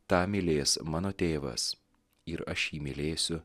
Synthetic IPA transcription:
t̪ɑːmʲɪlʲeːsmɑːnoːt̪ʲeːʋɐ̰s | ɪɾɐʃjiːmʲɪlʲeːsʲʊ

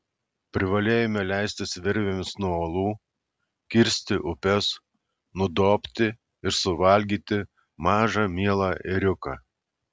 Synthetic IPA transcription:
pʲɾʲɪʋɐlʲeːjɛmʲɛlʲæˑɪsʲt̪ʲɪsʋʲɪɾʲʋʲemʲɪsnuɔoːlˠuː | kʲɪɾʲsʲt̪ʲɪʔʊpʲɛs | nʊd̪oːpʲt̪ʲɪ | ɪɾsʊʋɐlʲɡʲiːt̪ʲɪ | mɑːʒɑmʲiɛlˠɑːʔɪɾʲʊkɑː

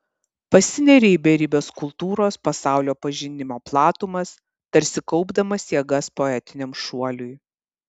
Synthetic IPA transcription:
pɐsʲɪnʲɛɾʲeibʲɛɾʲiːbʲoːskʊlˠt̪uːɾoːspɐsɑˑʊlʲoːpɐʒʲɪnʲɪmoːplˠɑːt̪uːmɐs | t̪ɐɾʲsʲɪkɒʊbd̪ɐmɐsjɛɡɐspoɛt̪ʲɪnʲɛmʃuɔlʲʊj

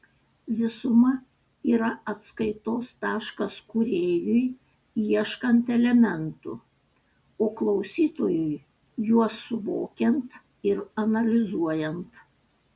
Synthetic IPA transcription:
zʲɪsʊmɐ | iːɾɐɐt̪skɐɪt̪oːst̪ɑːʃkɐskʊɾʲeːjʊj | iɛʃkɐnt̪ɛlʲɛmʲɛnt̪ʊ̰ | oːklˠɐʊsʲiːt̪oːjʊj | juɔsʊʋo̰ːkʲɛnt̪ | ɪɾɐnɐlʲɪzuɔjɛnt̪

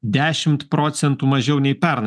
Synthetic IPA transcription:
d̪ʲæːʃʲɪmt̪pɾɔːt̪sʲɛnt̪umɐʒʲɛʊnʲɛɪpʲɛɾnɐ

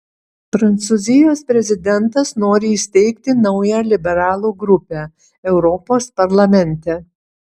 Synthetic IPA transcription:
pɾɐnt̪suzʲɪjoːspʲɾʲɛzʲɪd̪ʲɛnˑt̪ɐsnoːɾʲɪisʲt̪ʲɛɪkt̪ʲɪnɐʊjæːlʲɪbʲɛɾɑːlˠuːɡɾʊpʲæː | ɛʊɾɔpoːspɐɾlˠɐmʲɛnʲt̪ʲɛ

